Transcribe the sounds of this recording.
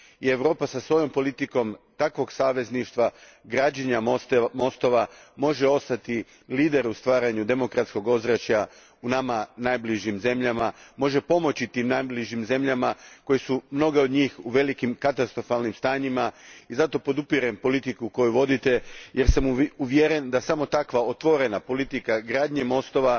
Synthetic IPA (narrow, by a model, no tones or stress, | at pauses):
ie̞ʋɾo̞ːpasasʋo̞jo̞mpo̞lit̪iko̞mt̪akʋo̞ɡsaːʋe̞zniʃt̪ʋa | ɡɾad͡ʑeɲamo̞st̪o̞ʋamo̞ʒeo̞st̪at̪i | liːd̪e̞ɾust̪ʋaːɾaɲud̪e̞mo̞kɾat̪sko̞ɡo̞zɾat͡ɕa | unamanaːjbliʒimze̞mʎamamo̞ʒe̞po̞mo̞t͡ɕit̪iːmnajbliʒimze̞mʎamako̞jesumno̞ɡeod̪ɲiːxuʋe̞likimkat̪ast̪ɾo̞falˠnimst̪aːɲimaizat̪o̞po̞d̪upiɾempo̞lit̪ikuko̞juʋo̞d̪it̪e̞je̞ɾsamuʋjeɾend̪asamo̞t̪akʋao̞t̪ʋo̞ɾe̞napo̞lit̪ikaɡɾaːd̪ɲemo̞st̪o̞ʋa